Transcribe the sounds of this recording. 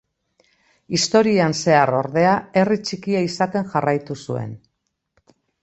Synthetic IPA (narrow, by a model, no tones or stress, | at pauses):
ist̪o̞ɾianse̞aro̞ɾðe̞ae̞rit͡ʃikiaisat̪e̞ŋʝarajt̪usue̞̰n